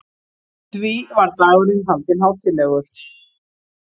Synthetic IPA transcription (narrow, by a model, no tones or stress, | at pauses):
t̪viːvaɾt̪aːɣɾɪðɦant̪ɪnɦawt̪ʰɪlɛɣʏɾ̥